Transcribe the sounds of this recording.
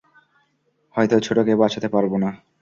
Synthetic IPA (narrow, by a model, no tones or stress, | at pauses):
hɔjt̪ot͡ɕʰoʈokebat͡ɕʰat̪epaɾbona